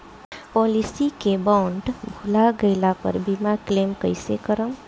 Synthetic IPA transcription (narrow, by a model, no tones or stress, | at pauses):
pɔlisikebaʊɳɖbʱulaɡəɪlapə̰ɾbimaklemkəɪjsekəɾəm